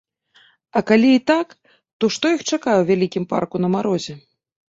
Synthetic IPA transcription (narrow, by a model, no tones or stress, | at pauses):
ɐkalʲiːt̪ak | t̪ɔʂt̪ɔjixt͡ʂakajɛwvʲalʲikʲimpa̰rkunɐmaɾɔzʲɛ